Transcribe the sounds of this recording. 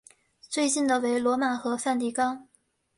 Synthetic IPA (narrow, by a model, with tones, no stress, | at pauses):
t͡swe˥˧ɪt͡ɕi˥˩nd̪ə˩we˧˥ɪlwɔ˧˥ma˨˩xɤ˧˥fa˥˧nt̪i˥˩kɑ˥ŋ